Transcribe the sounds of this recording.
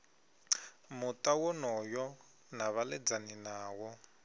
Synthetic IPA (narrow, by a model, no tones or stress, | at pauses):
mutʼawɔnɔjɔ | naβalɛd͡zaninaːwɔ